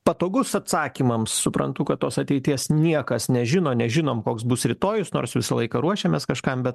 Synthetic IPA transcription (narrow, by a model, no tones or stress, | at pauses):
pɐt̪oːɡʊsɐt̪sɑːkʲiːmɐmssʊpɾɐ̰nt̪ʊkɐt̪toːsɐt̪ʲɛɪt̪ʲiɛsnʲiɛkɐsnʲɛʒʲɪnoːnʲɛʒʲɪnoːmkoːksbʊsɾʲɪt̪oːjʊsnoːrsʋʲɪsɐlˠɐɪkɐɾuɔʃʲeːmʲeskɐʃkɐmbʲɛt̪